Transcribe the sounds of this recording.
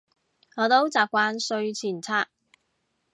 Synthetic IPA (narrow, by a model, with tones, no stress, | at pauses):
ŋɔː˨˧t̪o˥wt͡saː˨p̚kʷaː˧nsɵ˧ɥt͡sʰiː˨˩nt͡sʰaː˧k̚